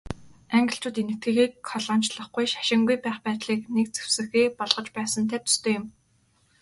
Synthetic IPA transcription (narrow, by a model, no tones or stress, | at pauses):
aŋɡʲɪ̆ɬt͡ɕʊːt̪enɘ̆k̚t̪ɡĕːxiːkχɔɮɔːn̥t͡ɕɮə̆χɡujʃḁʃɪ̆ŋɡujpæːχpæːt̪ɮiːknek̚t͡se̥w̥sɘ̆xeːpɔɮʁɞ̆t͡ɕpæːsə̆nt̪ʰæt̪ʊ̥st̪ʰoːjɪ̆m